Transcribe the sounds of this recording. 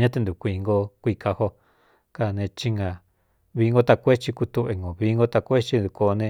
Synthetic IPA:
ɲã˦t̪e˧nd̪u˨kʷiː˧ŋɡo˦˧kʷi˧ka˧ho˧ | ka˧˨nẽ˧t͡ʃi˧ŋã˧ | βiː˧ŋɡo˧t̪a˧kʷe˦t͡ʃi˧ku˧t̪u˧βe˧ŋɡo˨βi˧ŋɡo˧t̪a˧kʷe˦t͡ʃi˧˦d̪u˧ko˧nẽ˧

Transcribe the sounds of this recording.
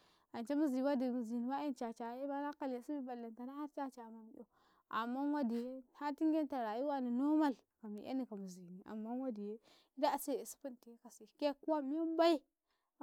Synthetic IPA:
a˨nt͡ʃa˦mi˦zi˨wa˦di˨mi˨zi˨ni˨ba˦e˦nt͡ʃa˨t͡ʃa˨je˦ba˦na˦ka˦lja˨si˦bi˦ba˨lːa˨nta˨na˦ha˦ɾt͡ʃa˦t͡ʃa˨ma˨m˨jo˨ | a̰˨mːa˦wa˦di˨je˦˨ha˦ti˦ŋɡe˦n˦ta˨ɾa˨ji˦wa˦ni˨no˦ma˦˨l | ka˨mḭ˨ʔḛ˦ni˨ka˨mi˨zi˨ni˨a̰˨mːa˦wa˦di˨je˦ | i˦da˦˨se˦˨e˨si̥˦pu˦n˨ti˨je˦ka˨si˨ke˦ku˦a˦m˦a˦ba˦i˦˨

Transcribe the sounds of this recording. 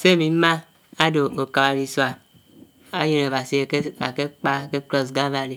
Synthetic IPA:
se˦˨mi˨˦ma˦ | a˦do˨o˨ka˨ba˨li˨swa˨ | a˦je˨ne˨a˨si˦˨˦a̰˨ke˦k͡pa˦˨ke˦klɔ˦sɡa˦va˨li˨

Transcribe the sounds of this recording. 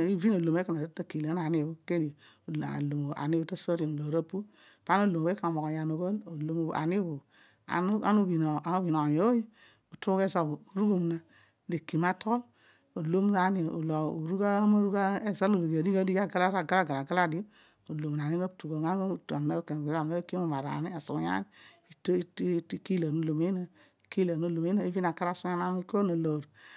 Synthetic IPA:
i˦vi˦no˨lo˨me˦ka˨na˨˦ta˦˨ki˨le˨˦na˨ni˦˨bu˦ke˦dḭ˨ | lo˨mo˨a̰˨ni˦bu˨to˦so˦ɾi˨no˨lo˨ɾo˦pu˦ | pa˨˦no˦lo˨mo˨e˦ka˨mo˨ko˨ja˨no˨ɡo˦lo˨lo˦m̰˦˨a̰˨ni˦bu˨ | a̰˨˦a˨˦nu˦bi˨no˨a˨o˦bi˨no˨jo˨o˦ji˦ | u˨tu˦ke˦za˦bu˨o˨ɾu˦ɡo˦m˨na˨ | de˨ki˨ma˦tʰo˦l | o˨lo˦m˦na˨˦ni˨o̰˨lo˨o˨ɾu˦ɡa˦ma˦ɾu˦ɡa˦e˦za˦lo˨lo˨ɡa˨di˦ɡa˦di˦ɡa˦ɡa˦la˦ɾa˨ɡa˦la˦˨ɡa˨la˨ɡa˦la˦˨di˦ | o˨lo˨m˨na˨ni˦mo˦btu˨ɡo˨ɡa˦˨ta˨m˨na˦ke˨e˨˦a˨m˨a˦ki˦mo˨ma˨ɾa̰˨ni˦a˨su˨˦ja̰˦ni˦ | i˨to˦i˦ki˦la˨no˦˨lo˨me˦na˦˨ | ki˦la˨no˦lo˨me˦na˦i˦vi˦n˨a˨ka˦ɾa˦˨su˦a˦na˦mi˦ko˦no˨lo˨ɾ

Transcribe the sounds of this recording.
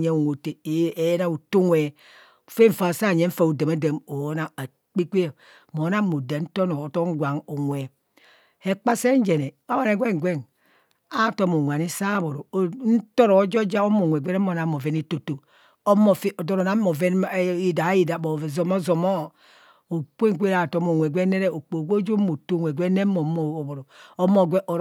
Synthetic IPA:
ɲe˨˦o˨ŋʷo˨te˨e˨˦na˦u˨to˦ŋwe˨ | fe˦ɱ̩˨fa˨sa˦˨ɲe˨˦ɱ̩˦fa˨u˨de˨ma˦de˨mo˨˦na˦a˨ | k͡pi˦k͡pi˦˨ | mo˨˦na˦mo˨da˨˦n̩˦to˦no˨to˦ŋ˦ɡʷa˨ŋo˨ŋʷe˨ | he˨k͡pa˦se˦n˦d͡ʒe˨ne˨o˦wa˦˨ne˨ɡʷe˦ŋ˨ɡʷe˦˨n | a˦˨to˦mo˨ŋʷa˨ni˦sa˦bo˨ɾo˨˦n̩˦to˦ɾo˨˦d͡ʒo˦d͡ʒa˦o˦mo˨ŋʷ˨e˨ɡʷɛ˦ɾm˦o˨na˨˦mo˨ve˨ni˦to˨to˨ | o˦mo˨fe˦o˨do˦ɾo˨na˨˦mo˨ve˦ni˨da˨˦i˦da˨bo˨zo˨mo˦zo˨mo˦ | o˨k͡pe˦ŋ˨kʷe˦ɾa˨to˦mo˨ŋʷe˨ɡʷe˦ne˦ɾe˦o˨k͡po˨ɡo˦d͡ʒo˦mo˨to˦˨ŋʷe˨ɡʷe˦ne˦mo˨˦mo˨bo˨ɾo˨o˦mo˦ɡʷe˦ʔo˨

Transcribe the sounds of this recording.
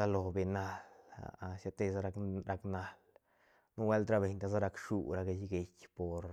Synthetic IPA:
a˧lo˨be˨na˧la̰˨a˧ʃa˧t̪e˧sa˦ɾa˧ɾa˧kna˨˧l | nu˦we˦lt̪ɾa˦be˨ɲt̪a˧za˦ɾa˧kʂu˨ɾa˧ɡe˧jɡe˧kʲpo˨ɾ

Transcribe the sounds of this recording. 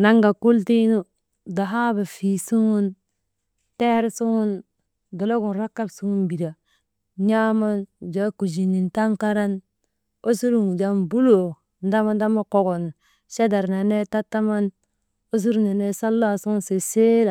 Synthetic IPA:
na˦ŋɡa˨ku˦lti˦nu˦ | da˨ɦa˦ba˨fi˨su˦ŋu˦n | te˦ɾsu˦ŋu˦n | do˨lo˦ɡu˨nɾa˦kːa˦bsu˦ŋu˦nbi˨da˨ | ɲa˦ma˦n˨d͡ʒa˨˦ku˨d͡ʒi˨ni˨nta˦mka˦ɾa˦n | o˦su˦ɾu˨ŋu˨d͡ʒa˨mbu˦lo˨ | n˦da˦ma˦nda˦ma˦ko˨ɡo˨n | ʃe˦da˨ɾna˨ne˦ta˦tːa˦ma˦n | o˦s̬u˦ɾu˨na˨ne˦sa˦lːa˦˨su˦ŋu˦nse˨se˦la˨

